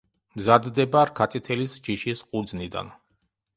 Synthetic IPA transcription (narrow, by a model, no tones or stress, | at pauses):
mzad̪ːɛbaɾkʰat̪ʼit̪ʰɛlisd͡ʒiʃisqʼud̪znid̪a̰n